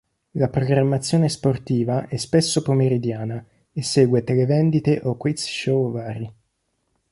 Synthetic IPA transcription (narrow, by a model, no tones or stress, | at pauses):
lapɾoɡɾamːat̪sːjoːnesport̪iːvaʔɛspesːopomeɾid̪jaːna | esːeːɡwet̪elevɛnd̪it̪eʔokwit̪sʃovaːɾi